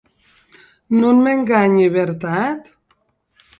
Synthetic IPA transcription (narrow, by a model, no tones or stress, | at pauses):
nunmeŋɡaɲeβeɾt̪at̪